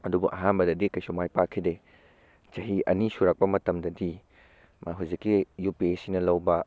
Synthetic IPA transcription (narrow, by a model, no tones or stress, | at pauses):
ɐdubṵʔɐɦanbɐdɐdikɐjsumajpakʰːide | t͡ʃɐɦiʔɐ̰nisuɾak̚pɐmɐtɐmdɐdi | mɐɦuzikːijupiesinɐlɐwbɐ